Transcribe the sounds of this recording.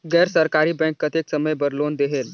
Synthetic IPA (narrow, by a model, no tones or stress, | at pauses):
ɡɛɾsəɾkaɾiːbɛ̃ŋkːət̪eksəməjbəɾlond̪eɦel